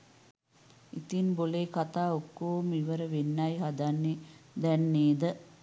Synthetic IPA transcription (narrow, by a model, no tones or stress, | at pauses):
it̪inboleːkat̪aːokːoːmiʋəɾəʋenːajɦad̪anːed̪ɛnːeːd̪ə